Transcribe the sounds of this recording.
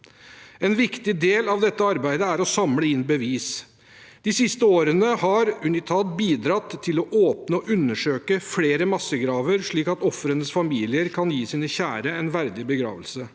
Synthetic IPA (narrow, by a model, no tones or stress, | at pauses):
ɛnʋɪkt̪ɪd̪eːlɑʋd̪ɛt̪ːəɑɾbæɪd̪əæɾɔsɑmləɪnbəʋiːs | d̪̥ɪsɪst̪əoːɾənəhɑɾʉnɪt̪ʰɑːt̪̚biːd̪ɾɑt̪ʰːɪlɔʔoːpnəɔʔʉnːəʂøːkəfleːɾəmɑsːəɡɾɑːʋəɾʂɭiːkɑt̪ɔfɾənəsfɑmiːlɪəɾkʰɑnjiːsiːnəçæːɾəɛnʋæɾd̪ɪbəɡɾɑ̰ːʋəlsə